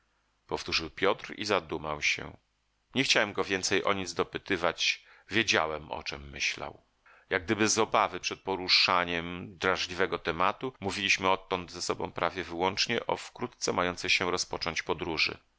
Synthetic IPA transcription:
pɔft̪uʐɘwpʲjɔt̪ɾḭzad̪umawɕɛ̰ | ɲɛxt͡ɕawɛmɡɔvʲjɛnt̪sɛjʔɔɲid̪zd̪ɔpɘt̪ɘvat͡ɕ | vʲjed͡ʑa̰wɛmɔ̰t͡ʂɛmːɘ̰ɕla̰w | jaɡ̚d̪ɘbɘzɔbavɘpʂɛt̪̚pɔɾuʂaɲɛmd̪ɾaʐlʲivɛɡɔt̪ɛmat̪umuvʲilʲiɕmɘɔt̪ːɔnd̪zɛsɔbɔ̰̃w̃pɾavʲjɛvɘwɔnt͡ʂɲɛʔɔfkɾut̪t̪sɛmajɔnt̪sɛjɕɛɾɔspɔt͡ʂɔɲt͡ɕpɔd̪ɾuʐɘ̰

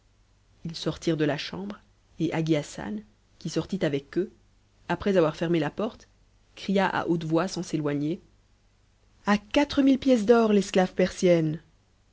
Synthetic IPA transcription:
ilsɔʁt̪iʁd̪əlaʃɑ̃bʁ | eʔaɡiasa̰n | kʲisɔʁt̪it̪avɛkø | apχɛzavwaʁfɛʁmelapɔʁt̪ | kχijaʔa̰ʔot̪vwasɑ̃selwaɲe | akat̪χəmilpjɛs̬d̪ɔʁlɛsklavpɛʁsjɛn

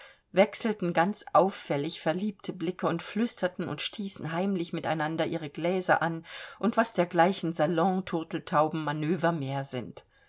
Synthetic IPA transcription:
vɛksl̩tn̩ɡant͡sʔaʊfːɛlɪçfɛɐliːp̚tʰəblɪkəʊntflʏstɐtn̩ʊ̰ntʃtʰiːsn̩ɦaɪmlɪçmɪtaɪnandɐʔiːʁ̞əɡlɛːzɐ̰ʔanʔʊntv̥asd̥eːɐɡlaɪçn̩zalɔ̃tʰʊʁtl̩tʰaʊbm̩manøːvɐmeːɐzɪ̰nt

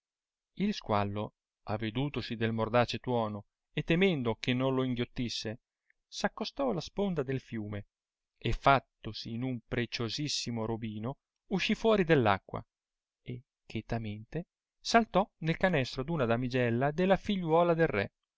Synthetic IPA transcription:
ilskwalːo | avːed̪uːt̪osid̪elmord̪aːt͡ʃet̪wɔːno | et̪ːemɛnd̪okenːonloiŋɡjot̪ːisːe | sakːost̪ɔlaspond̪ad̪elfjuːme | efːat̪ːosiːnumpɾet͡ʃozisːimoɾobiːno | uʃːifːwɔːɾid̪elːa̰kːwa̰ | e | kːet̪ament̪e | salt̪ɔnelkanɛst̪ɾod̪unad̪amid͡ʒɛlːad̪elːafiʎːwɔːlad̪elrɛ

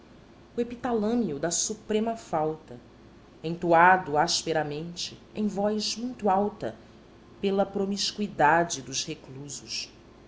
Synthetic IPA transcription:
uepit̪alɐ̃miʊd̪ɐsupɾẽmɐfawt̪ɐ | ẽj̃t̪uad̪ʊaʃpeɾɐmẽnt͡ʃɪẽj̃vɔjzmũj̃t̪uawt̪ɐ̰ | pelɐpɾomiʃkuid̪ad͡ʒɪd̪ʊzhekluzʊʃ

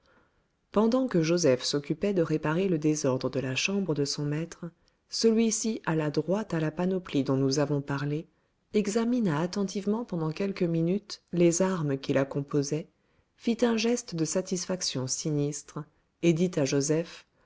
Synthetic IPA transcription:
pɑ̃d̪ɑ̃kəʒozɛfsɔkʲypɛd̪əʁepaʁeləd̪ezɔʁd̪ʁəd̪əlaʃɑ̃bʁəd̪əsɔ̃mɛt̪χ | səlɥisiʔalad̪ʁwat̪alapanɔplid̪ɔ̃nuzavɔ̃paʁle | ɛɡzaminaːt̪ɑ̃t̪ivmɑ̃pɑ̃d̪ɑ̃kʲɛlkəminyt̪lezaʁməkʲilakɔ̃pozɛ | fit̪ɛ̃ʒɛst̪d̪əsat̪isfaksjɔ̃sinist̪χ | ed̪it̪aʒozɛf

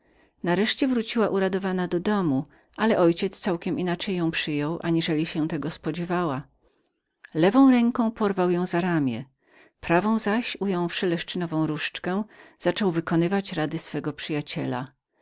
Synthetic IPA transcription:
naɾɛʂt͡ɕɛvɾut͡ɕiwaʔuɾad̪ɔvanad̪ɔd̪ɔmu | ʔalɛʔɔjt͡ɕɛt̪st̪sawkʲɛminat͡ʂɛjːɔ̃w̃pʂɘjɔwʔa̰ɲiʐɛlʲiɕɛt̪ɛɡɔspɔd͡ʑɛvawa | lɛvɔ̃w̃ɾɛŋkɔ̃w̃pɔɾvawjɔ̃w̃zaɾamʲjɛ̰ | pɾavɔ̃w̃zaɕujɔ̃w̃fʂɘlɛʂt͡ʂɘnɔvɔ̃w̃ɾuʂt͡ʂkɛ̃z̥at͡ʂɔwvɘkɔnɘvat͡ɕɾad̪ɘsfɛɡɔpʂɘjat͡ɕɛla̰

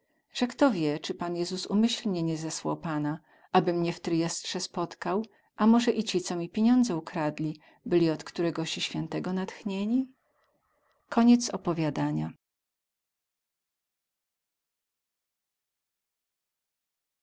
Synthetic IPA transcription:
ʐ̥ɛkt̪ɔvʲjɛt͡ʂɘpanjɛzusumɘɕlɲɛɲɛzɛswawpana | ʔabɘmɲɛft̪ɾɘjɛstʂɛspɔt̪kaw | ʔamɔʐɛʔit͡ɕit̪sɔmʲipʲeɲɔnd̪zɛukɾad̪lʲi | bɘlʲiɔt̪kt̪uɾɛɡɔɕiɕfʲɛnt̪ɛɡɔnat̪xɲeɲi | kʰɔɲɛt̪sɔpɔvʲjad̪aɲa

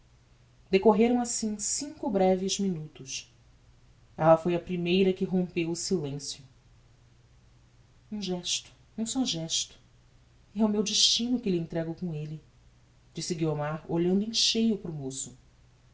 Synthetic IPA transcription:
d̪ekoɦeɾɐ̃w̃asĩsĩŋkʊbɾɛvɪzminut̪ʊʃ | ɛlɐfojɐpɾimejɾɐkɪɦõmpewʊsilẽsjʊ | ũʒɛʃt̪ʊ̥ | ũsɔʒɛʃt̪ʊ̥ | ɛumewd͡ʒiʃt͡ʃĩnʊkɪlɪẽnt̪ɾɛɡowkõelɪ | d͡ʒisɪɡiomaɾoʎɐ̃nd̪ʊẽʃejʊpɾʊmosʊ

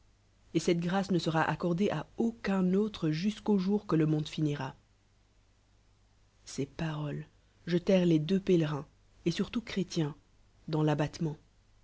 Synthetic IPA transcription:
esɛt̪ɡʁasnəsəʁaʔakɔʁd̪eʔaokʲɛ̃not̪χəʒyskoʒuʁkələmɔ̃d̪finiʁa | sepaʁɔl | ʒət̪ɛʁled̪øpelʁɛ̃ | esyʁt̪ukχet̪jɛ̃ | d̪ɑ̃labat̪mɑ̃

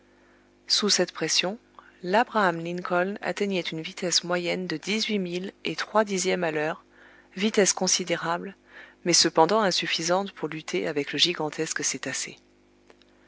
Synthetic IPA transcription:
susɛt̪pχɛsjɔ̃ | labʁaːmlinkʰɔlna̰t̪ɛɲɛt̪ynvit̪ɛsmwajɛnd̪əd̪izɥimilet̪χwad̪izjɛmalœːʁ | vit̪ɛskɔ̃sid̪eʁabl | mɛsəpɑ̃d̪ɑ̃ɛ̃syfizɑ̃t̪puʁlyt̪ʰeʔavɛkləʒiɡɑ̃t̪ʰɛskəset̪asḛ

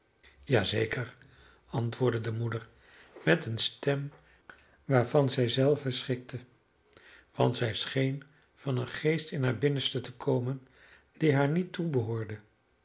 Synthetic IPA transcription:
jaːzejkəɹ | ɑntʋʊːɹdədəmudəɹ | mɛtənstɛm | ʋaːɹvɑnzɛjzɛlˠvəsχɪk̚tʰə | ʋɑ̰ntsɛjsχejn | v̥ɑnənχejstɪnɦaːɹbɪnəstətəkʰowmən | d̥iɦaːɹnitːubəɦʊːɹdə

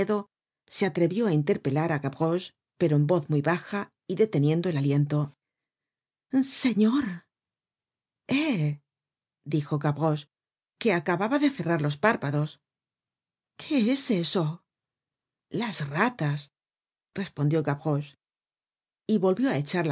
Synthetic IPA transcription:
eðo̞ | se̞at̪ɾe̞βjo̞aint̪e̞ɾpe̞laɾaɣaβɣo̞s | pe̞ɾo̞embo̞θmujβaxa | iðe̞t̪e̞njẽ̞nd̪o̞e̞lalje̞nt̪o̞ | se̞ɲo̞ɾ | e | d̪ixo̞ɣaβɣo̞s | ke̞akaβaβaðeθe̞raɾlo̞spaɾpaðo̞s | kʰeeseso̞ | lasrat̪as | re̞spo̞nd̪jo̞ɣaβɣo̞s | iβo̞lβjo̞ae̞t͡ʃaɾl

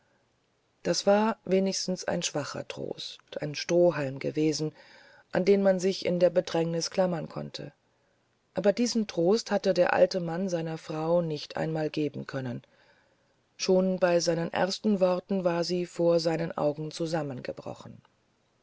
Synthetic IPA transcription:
d̥asv̥aːɐveːnɪçstn̩sa̰ɪnʃv̥aχɐ̰tʁ̥o̰ːstʔa̰ɪnʃtʁ̥oːɦalmɡə̰veːzn̩ | ʔa̰ndeːnmanzɪçɪ̰ndeːɐbədʁɛŋnɪskʰl̥amɐnkʰɔ̰ntʰə̰ | ʔaːbɐdiːzn̩tʁ̥oːsthatədeːɐʔa̰ltəmanzaɪnɐfʁ̥aʊnɪçtʔa̰ɪnmaːlɡeːbm̩kʰœnən | ʃoːnbaɪzaɪnənʔɛ̰ɐstn̩vɔʁtn̩vaːɐziːfoːɐzaɪnənʔa̰ʊɡŋ̩t͡suzamənɡəbʁɔ̰χn̩

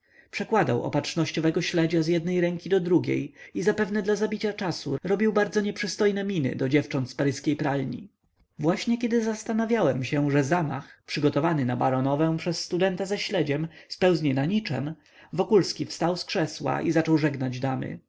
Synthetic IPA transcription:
pʂɛkwad̪a̰wɔ̰patʂnɔɕt͡ɕɔvɛɡɔɕlɛd͡ʑazjɛd̪nɛjɾɛŋkʲid̪ɔd̪ɾuɡʲḛjizapɛvnɛd̪lazabʲit͡ɕat͡ʂasuɾɔbʲiwbaɾd̪zɔɲɛpʂɘst̪ɔjnɛmʲinɘ̰d̪ɔd͡ʑɛft͡ʂɔnt̪spaɾɘskʲejpɾalɲḭ | vwaɕɲɛkʲɛd̪ɘzast̪anavʲjawɛmɕɛʐɛzama̰xpʂɘɡɔt̪ɔvanɘnabaɾɔnɔvɛ̃pʂɛsːt̪ud̪ɛnt̪azaɕlɛd͡ʑɛmspɛwzɲɛnaɲit͡ʂɛ̰m | vɔkulskʲifst̪awskʂɛswa̰ʔizat͡ʂɔwʐɛɡnad͡ʑd̪amɘ̰

